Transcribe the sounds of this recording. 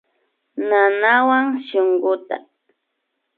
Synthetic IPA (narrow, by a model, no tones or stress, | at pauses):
nanawaŋʃoŋɢʊt̪a̰